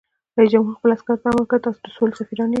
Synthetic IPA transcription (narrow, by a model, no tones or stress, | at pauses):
ɾɑjd͡ʒamɦuɾxpəlaskaɾzaməkət̪ɑsod̪əsolsafiɾɑni